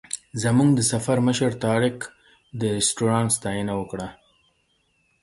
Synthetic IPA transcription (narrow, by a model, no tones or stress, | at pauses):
zamuŋɡd̪əsafaɾməʃəɾt̪ɑɾɪk | d̪əɾɪsʈuɾɑnst̪ɑjənawəkɽa